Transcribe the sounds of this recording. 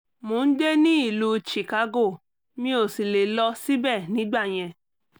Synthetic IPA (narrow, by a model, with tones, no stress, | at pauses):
mõ˨˦n̩˦de˦nĩ˦i˦˨lu˧t͡ʃi˨ka˧ɡo˦˨ | mĩ˧˦o˨si˨le˨lɔ˧si˦bɛ˦˨nĩ˨˦ɡ͡ba˦˨j̃ɛ̃˧